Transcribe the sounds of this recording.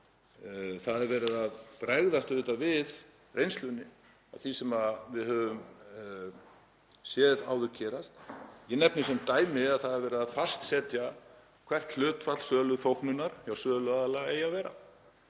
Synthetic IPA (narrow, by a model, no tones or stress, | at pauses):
θaðɛɾvɛːɾɪðaðpɾɛɣðast̪ʏðt̪avɪð | rejnst̪ʏnːɪ | a̰ðθisɛmavɪðhœːvʏm | sjɛːðɪt̪aːwðʏɾcʰɛːɾast̪jɛnɛp̚nɪsɛmt̪aːjmɪaðθaðɛɾvɛːɾɪðaðfast̪sɛːt̪ja | kʰv̥ɛr̥t̪l̥ʏːt̪fat̪l̥sœːlʏðθowhknʏnaɾ̥jawsœːðlʏaðalaɛjavɛːɾa̰